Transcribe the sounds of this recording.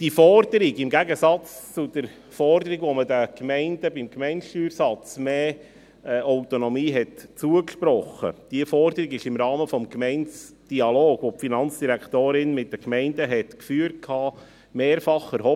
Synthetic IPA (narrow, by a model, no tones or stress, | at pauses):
d̥ifɔɾd̥əɾɪɡɪmɡæɡəsɑt͡st͡sʊd̥əɾ | fɔɾdəɾiɡʋomədəkmɛɪnd̥əbɪmkmɛɪntʃtyːɾsɑt͡smeː | aʊtonɔmiːɦɛtt͡suəkʃpɾɔχːə̰d̥iəfɔɾdəɾiɡɪʃɪmɾɑːməfɔmkmɛɪnt͡sd̥iɑloːɡʋopfinɑnt͡sd̥iɾæktoːɾɪnmɪt̚d̥əkmɛɪndəɦɛtkfyːəɾt̚kʰhɑː | meːɾfɑχɛɾɦɔ